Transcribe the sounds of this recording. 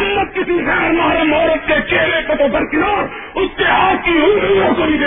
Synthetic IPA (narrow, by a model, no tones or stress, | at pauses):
mːət̪̚kɪsiɣɛːɾmaːɾemɔːɾət̪ket͡ʃeːlepɐt̪obʱɐɾkɪnoːɾ | ʊskeaːkkiuːsiosoniɡ